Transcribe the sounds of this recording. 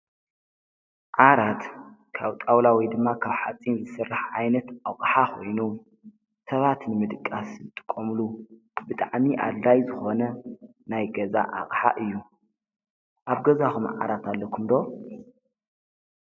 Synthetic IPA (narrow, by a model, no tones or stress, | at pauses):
ʕaɾat̪ | kʰaβt̪ʼawlawɔjd̪ɨmːakʰaβħat͡sʼːinzɨsɨrːɨħʕajnɐt̪aχʼħakʰo̞̰jnu | sɐβat̪nɨmɨd̪ɨkʼːaszɨt̪ʼɨ̥kʼːomlu | bɨt̪ʼaʕmiʔa̰lːajzɨxo̞nɐ | najɡɐza̰ʔa̰χʼħa̰ʔɨjːu | ʔaβɡɐzaxumʕa̰ɾat̪ʰalːɐkʰumd̪o̞